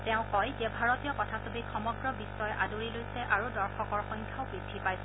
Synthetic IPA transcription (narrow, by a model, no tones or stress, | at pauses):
tɛʊ̃kɔjd͡ʒebʱaɹɔtijɔkɔtʰasobikʰxɔmɔɡɹɔbisːɔjʔadoɹilojsɛʔaɹudɔɹxɔkɔɹxɔjŋkʰaʊbɹidʱːipajsɛ